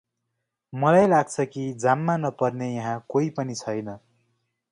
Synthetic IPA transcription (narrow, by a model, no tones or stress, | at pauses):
mʌlajlaɡ̚t͡sʰʌkid͡zamːanʌpʌrnejʌɦãkoipʌnit͡sʰʌjnʌ